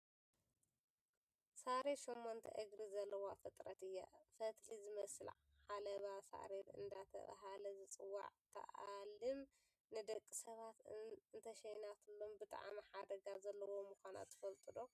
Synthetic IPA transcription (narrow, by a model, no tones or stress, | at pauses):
saɾeʃomːont̪ʰɐ̰ʔɨɡɾizɐlːɐwafɨt̪ʼɾɐt̪ɨjːa̰fɐt̪ʰlizɨmɐsɨlʕ | ʕalɐβasa̰ɾet̪ɨ̰nd̪at̪ʰɐ̰βa̰ɦalɐzɨt͡sʼɨwːa̰ʕt̪ʰɐ̰ʔalɨm | nɨd̪ɐkʼːisɐβat̪ɨnt̪ʰɐʃɐjnat̪ʰɨlːombɨt̪ʼa̰ʕmiħad̪ɐɡazɐlːɐwo̞muxʷana̰t̪ːɨ̥fɐlt̪ʼɨd̪o